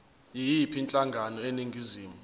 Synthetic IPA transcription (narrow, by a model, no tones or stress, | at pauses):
jijipʰint͡ɬʼaŋɡʱanɔeniŋɡʱiziːmu